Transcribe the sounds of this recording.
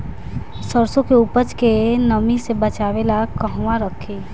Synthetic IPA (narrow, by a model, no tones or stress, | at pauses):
səɾsõkeuːpət͡ʃkenəmisebət͡ʃaːʋelakəɦwãɾəkʰe